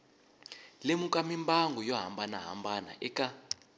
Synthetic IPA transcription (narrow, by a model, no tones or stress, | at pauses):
lemukʼamimbaŋɡʱujɔɦa̰mbʱanaɦa̰mbana̰ʔɛkʼa